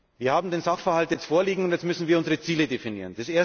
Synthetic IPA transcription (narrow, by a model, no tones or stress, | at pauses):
viːɐhaːbm̩deːnzaχfɛɐhaltjɛt͡stfoːɐliːɡŋ̩ʊntjɛt͡sstmʏsn̩viːɐʊnzəʁət͡siːlədefinḭːʁənd̥esʔeːɐ